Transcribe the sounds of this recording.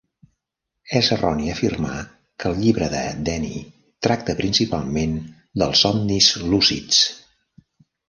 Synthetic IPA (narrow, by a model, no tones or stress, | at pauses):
ɛzərɔniəfirma̰ | kʰəlˠʎiβɾəðə̰d̪ɛnḭ | t̪ɾak̚t̪əpɾinsipalˠmen | d̪əlˠsɔnnizlusḭt͡s